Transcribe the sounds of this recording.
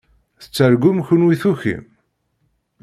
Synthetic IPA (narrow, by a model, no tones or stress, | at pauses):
θə̥t͡sːəɾɡʊmçʊnwiθuçḭm